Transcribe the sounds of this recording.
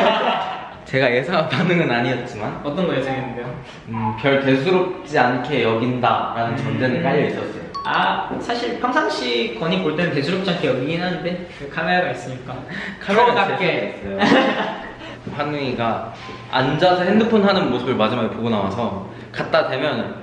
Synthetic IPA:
t͡ɕe̞ɡaje̞sʰaanpʰanɯŋɯnaɲiʌt̚t͡ɕ͈imanʌt͈ʌnɡʌjesʰeŋenːɯndejo | ɯpjʌɭte̞s̬ʰuɾop̚t͡ɕ͈iankʰe̞jʌɡinda̰ɾanɯnt͡ɕʌndenɯnk͈aʎːʌis͈ʌs͈ʌjoasʰaɕʰiɭpʰjʌŋsʰaŋɕ͈ʰikwʌɲikoɭt͈enɯnte̞sʰuɾʌp̚t͡ɕ͈aŋkʰeiinɦanɯnde̞ | kʰanajaɡis͈ɯɲik͈akʰamakak͈es | pʰanɯŋiɡa | a̰nd͡ʑasʰʌhendɯpʰɯnɦanɯnmosʰɯbɯɭmad͡ʑimaɡepoɡonawa̰sʰʌ | kat̚t͈ade̞mjʌn

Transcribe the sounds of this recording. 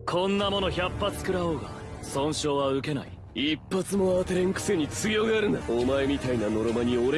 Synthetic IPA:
kʰõ̞nːamo̞no̞çapːat͡sɨ̥kɯ̟ɾao̞ːɡa̰ | sõ̞ɰ̃ɕo̞ːβaɯ̟ke̞na̰ḭ | ipːat͡sɨmo̞at̪eɾẽ̞ŋkɯ̟̥se̞ɲ̟it͡sɨɡʲjo̞ːɡaːɾɯ̟̃nd̪aomae̞mʲit̪ainano̞ɾo̞maɲ̟io̞ɾe

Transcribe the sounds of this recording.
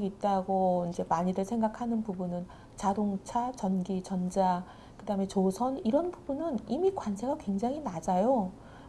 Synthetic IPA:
ɡiit̚t͈aɡoind͡ʑe̞maɲidɯɭsʰe̞ŋɡakʰanɯnpubunɯn | t͡ɕadoŋt͡ɕʰat͡ɕʌnɡit͡ɕʌnd͡ʑa | kɯdaɦɯme̞t͡ɕosʰʌniɾʌnbubunɯnimikwansʰe̞ɡakwe̞ŋd͡ʑaŋɦinad͡ʑajo

